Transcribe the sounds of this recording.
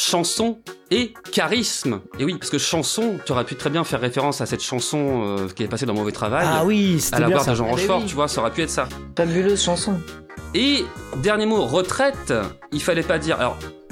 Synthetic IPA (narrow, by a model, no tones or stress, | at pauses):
ʃɑ̃sɔ̃ekʲaʁismewipaʁsə̥kəʃɑ̃sɔ̃t̪ɔʁɛpyt̪χɛbjɛ̃fɛʁːefeʁɑ̃sasɛt̪ʃɑ̃sɔ̃økʲiet̪ɛpased̪ɑ̃movɛt̪χavajwise̥taɛlavwaʁd̪əʒɑ̃ʁɑ̃ʒfɔʁt̪yvwasɔʁɛpyɛt̪χsa | fabyløzʃɑ̃sɔ̃ | ed̪ɛʁnjemoʁət̪χɛt̪ | ilfalɛpad̪iːʁa̰lɔ̰ʁ